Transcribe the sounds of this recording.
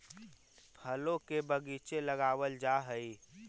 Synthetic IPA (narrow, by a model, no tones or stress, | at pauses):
pʰəlõkebəɡit͡ʃeləɡaːwəld͡ʒaɦəi